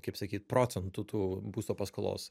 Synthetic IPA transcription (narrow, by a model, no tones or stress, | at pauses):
kɐɪpsɐkʲiːt̪̚pɾoːt͡s̪ʲɛnt̪ut̪uːbuːst̪oːpɐskoːlˠo̰ːs